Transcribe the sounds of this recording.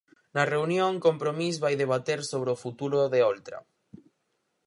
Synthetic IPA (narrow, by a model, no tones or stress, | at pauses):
nɐreunjoŋkompɾomis̬βajðeβ̞at̪eɾsoβɾɪofut̪uɾoðeolt̪ɾɐ̰